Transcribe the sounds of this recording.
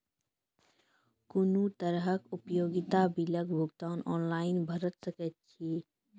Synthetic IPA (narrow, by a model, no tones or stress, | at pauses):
kʊnut̪əɾɦəkʊpjoːɡɪt̪abɪləkbʱʊɡt̪aːnɔːnlaːɪnbʱəɾət̪səkət̪̚t͡ʃʰiː